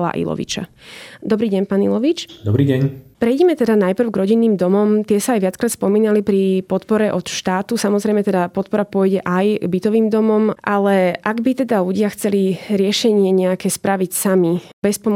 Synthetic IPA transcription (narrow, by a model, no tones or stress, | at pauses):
la̰ʔḭlɔ̰ʋḭt͡ʃa̰d̪ɔbɾiːɟɛɲpaːnḭlɔʋit͡ʃd̪ɔbɾiːɟɛɲpɾɛjɟɛmɛt̪ɛd̪anajpr̩ʊɡɾɔɟinːiːmd̪ɔmɔmt̪ɪɛsaːjʋɪat͡skɾaːt̪spɔmiːnalipɾipɔt̪pɔɾɛʔɔt̪ʃt̪aːt̪usamɔzɾɛjmɛt̪ɛd̪apɔt̪pɔɾapʊɔjɟɛʔajɡbit̪ɔʋiːmd̪ɔmɔmʔalɛʔaɡbit̪ɛd̪aʎuɟɪaxt͡sɛliɾɪɛʃɛɲɪɛɲɛakɛːspɾaʋicsamibɛspɔm